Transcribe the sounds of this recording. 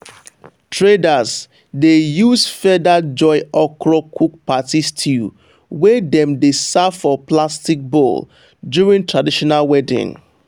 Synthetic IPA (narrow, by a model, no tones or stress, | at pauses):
tʰɹedaz | dejusfɛdad͡ʒɔɪɔkɹɔkʰuk̚patistʰi | wɛdɛ̃mdesafɔplastik̚bol | djuɹĩntɹadiʃɔnalwɛdɪ̰̃ŋ